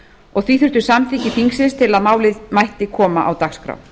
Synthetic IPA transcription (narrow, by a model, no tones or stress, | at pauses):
ɔɣθviθʏɾ̥t̪ʏ̥samθiːcɪfiŋksɪnst̪ʰɪlaðmaːwlɪðmajht̪ɪkʰɔːma̰ʔa̰wt̪axskɾa̰w